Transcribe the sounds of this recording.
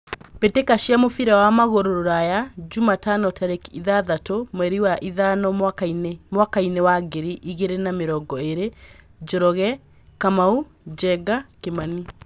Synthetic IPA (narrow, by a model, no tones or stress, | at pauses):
petekaʃiamofiɾɛwamaɣoɾoɾoɾajad͡ʒumatanɔtaɾekiðaðatomɛɾiwaʔiðanɔ | mwakainewaɡeɾiʔiɣeɾenameɾɔɡɔeɾe | d͡ʒɔɾɔɣɛ | kamau | d͡ʒɛɡakemani